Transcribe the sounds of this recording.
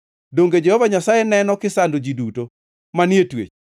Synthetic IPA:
doŋɡed͡ʒɛhɔvaɲasajɛnɛnɔkɪsandod͡ʒiduto | manjetwḛt͡ʃ

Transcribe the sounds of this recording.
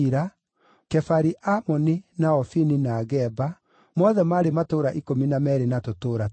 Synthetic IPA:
ɾa | kɛfaɾiʔamɔninaɔfininaːɣɛba | mɔðɛmaɾematoːɾaʔikominamɛɾenatotoːɾa

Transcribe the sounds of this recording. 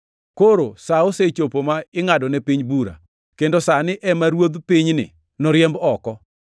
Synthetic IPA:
koɾosaoset͡ʃopomaɪŋadɔnɛpiɲbuɾa̰ | kendosanɪʔɛmaɾwod̪piɲnɪ̰ | nɔɾjɛmbɔkɔ

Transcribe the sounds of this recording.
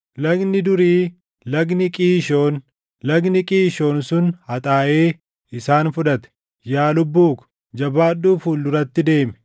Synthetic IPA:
lɐɡnɪd̪ʊɾiː | lɐɡnɪkʼiːʃo̞ːn | lɐɡnɪkʼiːʃo̞ːnsʊnhɐt̪ʼaːʔe̞ː | ɪsaːnfʊᶑɐt̪ɛ̥ | jaːlʊbːuːkʊ̥ | d͡ʒɐbaːᶑːuːfuːlːʊɾɐt̪ːɪd̪e̞ːmɛ̥

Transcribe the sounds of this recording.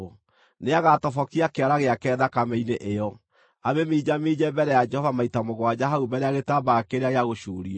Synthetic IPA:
neaɣatɔfɔkiakeaɾaɣeakɛːðakamɛineʔejɔ | aβemiːd͡ʒamid͡ʒɛbɛɾɛjad͡ʒɛhɔvamaitamoɣwad͡ʑaɦaubɛɾeaɣetabakeɾeaɣeaɣoʃuːɾia

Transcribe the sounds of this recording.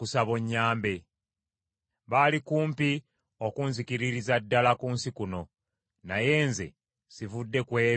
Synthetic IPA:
kusaβoɲːaːmbe̞ | βaːlikuːmpi | o̞kuːnzikiɾiɾizadːalakuːnsikuno̞ | naje̞ːnzḛ | sivudːe̞kwe̞ː

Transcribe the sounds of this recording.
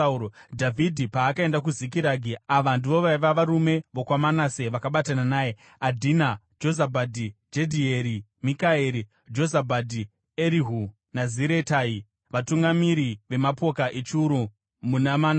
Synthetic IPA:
dʱavʱidʱipaːkae̞ndak̬uzikiɾaːɡʱiaʋandiʋo̞ʋaiʋaʋaɾume̞ʋo̞kwamanaseʋakaɓatananaːje | adʱina | d͡ʒo̞zabʱadʱid͡ʒedʱieɾi | mikaeɾi | d͡ʒo̞zabʱadʱi | eɾiɦu | naziɾe̞taːi | ʋatuŋɡamiɾiʋe̞mapo̞kaʔet͡ʃuuɾu | munamaːna

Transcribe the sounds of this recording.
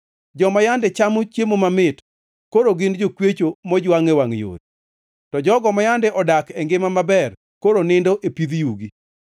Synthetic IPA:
d͡ʒɔmajandɛt͡ʃamot͡ʃjemomamɪt | koɾoɡɪnd͡ʒokwet͡ʃomɔd͡ʒwaŋewaŋjo̰ɾi | tɔd͡ʒɔɡɔmajandɛʔɔdakɛŋɡɪmamabɛr | koɾonɪndoʔepid̪juɡi

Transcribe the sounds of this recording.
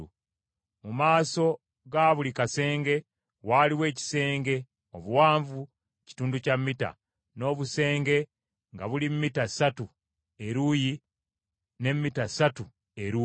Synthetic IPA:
mumaːso̞ | ɡaβulikase̞ːŋɡe̞ | waːliwe̞ːci̥se̞ːŋɡe̞ | o̞βuwaːɱvu | ci̥tuːnducamːita̰ | no̞ːβuse̞ːŋɡe̞ | ŋɡaβulimmːitasatu | e̞ɾuji | ne̞mːitasatu | eɾu

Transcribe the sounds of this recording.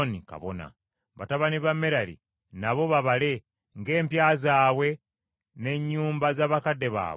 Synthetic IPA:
nika̰βo̰na̰ | βataβaniβamːeɾalḭ | naβo̞βaβale̞ | ŋɡe̞ːmpjaːzaːwe̞ | ne̞ɲːuːmbazaːβakadːe̞βa̰ːβ

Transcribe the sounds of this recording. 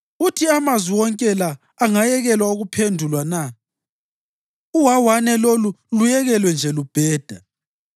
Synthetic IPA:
utʰiamazwiwɔŋkʼɛlaː | ŋajɛɣɛlwauɣupʰendʱulwana | uwawanɛlolulujɛɣɛlwɛnd͡ʒʱɛlub̥ʱɛːd̥ʱa

